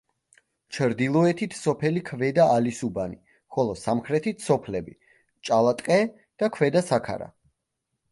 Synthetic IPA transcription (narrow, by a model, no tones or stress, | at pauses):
t͡ʃʰɾd̪ilˠɔɛt̪ʰit̪ʰsɔpʰɛlikʰvɛd̪aʔːlisubani | χɔlˠɔsamχɾɛt̪ʰit̪ʰsɔpʰlɛbi | t͡ʃʼalˠat̪ʼqʼɛ | d̪̥akʰvɛd̪asakʰa̰ɾa̰